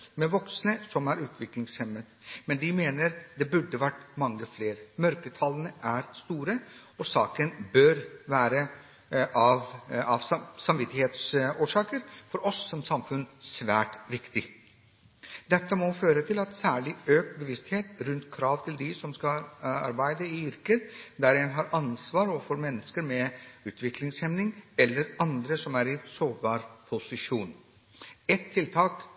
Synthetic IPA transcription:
mɛʋɔksnəsɔmæɾʉːt̪ʰʋɪklɪŋshɛmːət̪mɛnd̪ɪmeːnəɾd̪ɛbʉɖːəʋæʈːmɑŋːəfleːɾmœɾkət̪ʰɑlənəʔæɾst̪uːɾəɔsɑːkənbœɾʋæːɾə | ʔɑʋɑʋsɑmʋɪt̪ːɪheːt̪soːʂɑːkəɾfɔɾɔsːɔmsɑmfʉnsʋæːʈʋɪkt̪ɪ | d̪ɛt̪ːəmɔføːɾət̪ʰɪlɑt̪sæːɭɪøːk̚t̪bəʋɪst̪heːt̪ɾʉnt̪kʰɾɑːʋt̪ʰɪld̪ɪsɔmskɑɑ̰ɾbæɪd̪əɪɪɾkəɾd̪æːɾenɦɑɾɑnsʋɑːɾɔfɔɾmɛnːəskəɾmɛʉːt̪ʰʋɪklɪŋsɛmnɪŋɛlːəɾɑnd̪ɾəsɔmæɾɪsoːɾbɑːɾpʰʊsɪʂuːn | ɛt̪ʰːɪlt̪ʰɑːk

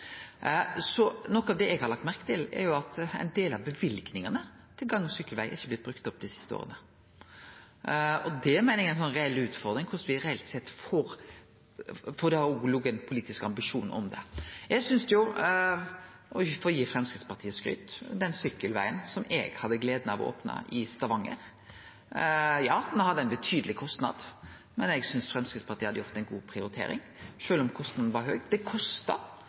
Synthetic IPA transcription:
sɔnɔkːəɑʋd̪ɛɛɡhɑɾlɑk̚t̪mæɾkə̥t̪ʰɪlɛ̰ɾjʊɑt̪ɛ̰ɪnd̪eːlɑʋbəʋɪlɡnɪŋənə | t̪ʰɪlɡɑŋːəsʏkːəlʋæɪəɾɪçːəblɪt̪̚bɾʉkt̪ɔp̚ːd̪ɪsɪ̥st̪əo̰ːʁə̰nə | ɔd̪ɛmæɪnəɾɪŋɛnsɔnɾɛɛlːʉːt̪fɔʁd̪ɾɪŋkʰʊsʋɪɾɛɛlt̪sɛt̪ːfoːɾ | fɔd̪ɛhɑuɡʊluɡənpʰʊliːt̪ɪskɑmbɪʂuːnʔɔ̰md̪ɛ̰jɛɡsʏnsd̪ɛjʊ | ɔɪfɔjiːfɾɛmskɾɪt̪spɑʁt̪ʰiːəskɾʏ̰ːt̪d̪ɛnsʏkːəlʋæɪənsɔmɛ̰ɡ̥hɑd̪ːəɡleːd̪nɑʋo̰ːpnə̰ɪst̪ɑʋɑŋə̰ɾ | jɑt̪nhɑd̪ːəɛɪnbət̪ʰyːd̪əlɪkʰɔst̪nɑ̰d̪ | mɛnɛɡsʏnsfɾɛmskɾɪt̪spʰɑt̪iːəhɑd̪əjʊɾt̪ɛɪnɡṵːpʰʁɪʊɾɪt̪ʰḛːɾɪ̰ŋ | ʃøːlɔmkʰɔst̪nɑd̪n̩ʋɑɾɦøːɡd̪̥ɛkʰɔst̪ɑ̰

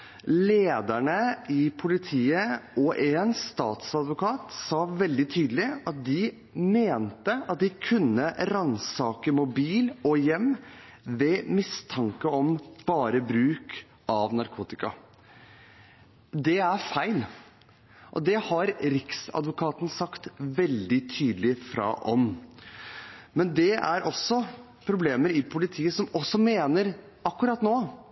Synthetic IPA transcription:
leːd̪æɳəɪpʰʊlɪt̪ʰiːəɔʔɛnst̪ɑ̰ːt̪sɑd̪ʋʊkʰɑːt̪sɑːʋɛld̪ɪt̪ʰyːd̪lɪɑt̪̚d̪ɪ | meːnt̪əʔɑt̪̚d̪ɪkʰʉnːəɾɑnsɑːkəmʊbiːlɔjɛmʋɛmɪst̪ʰɑŋkəɔmb̥ɑːɾəbɾʉːk | ɑʋnɑɾkʰuːt̪ɪkɑ | d̪ɛæɾfæɪl | ʔɔd̪ɛhɑɾɾɪksɑ̰d̪ʋʊkʰɑːt̪n̩sɑkt̪ʋɛld̪ɪt̪ʰyːd̪lɪfɾɑ̰ʔɔm | mɛnd̪ɛæ̰ɾʔɔsːɔ | pʰɾʊbleːməɾɪpʰʊlɪt̪ʰiːəsɔmɔsːɔmeːnəɾ | ɑkːʉɾɑːt̪noː

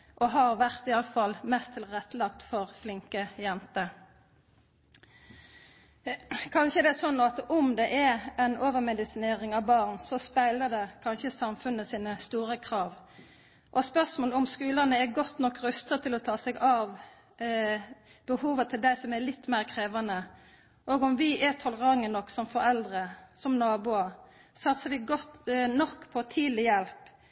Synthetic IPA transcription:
ʔɔɦɑʁʋæʁt̪ɪɑləfɑlmɛst̪ʰːɪlʁɛt̪ːəlɑkt̪fɔʁflɪŋkəjɛnt̪ə | kʰɑnʃəɛd̪ɛɛsɔnːoːɑt̪ɔmd̪ɛʔɛɛɪnoːʋəʁmɛd̪ɪsɪneːɾɪŋɑʋbɑːʁnsɔspæɪləd̪ɛkʰɑnʃəsɑmfʉnːəsiːnəst̪uːʁəkʰʁɑːʋ | ʔɔspœʁsmoːləʊmskʉːlənəɛɾɡɔt̪ːnɔkːɾʉst̪ət̪ʰɪlɔt̪ʰɑːsɛɡɑʋ | b̥əhuːʋət̪ʰɪld̪æɪsɔmælɪt̪ːmæːʁkʰɾeːʋɑnə | ʔoːɡʊmʋɪʔɛt̪ʰɔləʁɑŋːənɔkːsɔmfɔɾɛld̪ɾəsɔmnɑːbuːɑ | sɑt̪səʋɪɡɔt̪nɔkːpʰɔt̪ʰiːd̪lɪjɛlp

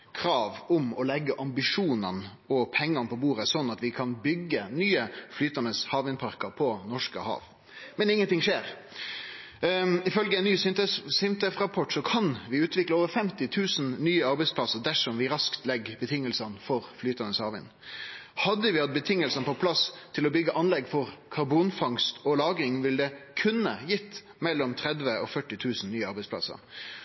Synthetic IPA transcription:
kʰɾɑːʋʊmɔlɛɡːəʔɑmbɪʂuːnən | ɔpʰɛŋːɑnəpʰɔbuːɾəɛsɔnːɑt̪ʋɪkʰɑnbʏɡːənyːəflyːt̪ɑnəshɑːʋɪnpʰɑɾkəɾpʰɔnɔʂkəhɑ̰ːʋ | mɛnɪŋːənt̪ɪŋʂeːɾ | ɪfœlɡəɛɪnːyːsʏnt̪əsʏnt̪əsɾɑpʰɔʈːsɔkʰɑnʋɪʉːt̪ʋɪkləoːʋəɾfɛmt̪ɪt̪ʰʉːsn̩nyːəɑɾbɛɪspʰlɑsəd̪æʂɔmʋɪɾɑskt̪lɛɡbət̪ʰɪŋːəlsɑnfɔɾflyːt̪ɑnəsɑːʋɪ̰nhɑd̪əʋɪhɑt̪̚bət̪ʰɪŋːəlsənpʰɔpʰlɑst̪ʰɪlɔbʏɡːəʔɑnlɛɡfɔʁkʰɑɾbuːnfɑŋst̪ʰɔlɑːɡɪŋʋɪld̪ɛkʰʉnːəjɪt̪ː | mɛlːɔmt̪ʰʁɛd̪ʋəɔ̰fœʈːɪt̪ʰʉːsn̩nːyːəɑɾbɛɪsplɑ̰sːə̰ɾ

